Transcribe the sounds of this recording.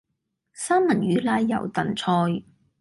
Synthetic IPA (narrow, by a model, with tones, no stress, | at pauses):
saː˥nmɐ˨˩nɥyː˨˥laː˧jːɐ˨˩wt̪ɐ˨˩nt͡sʰɔː˧j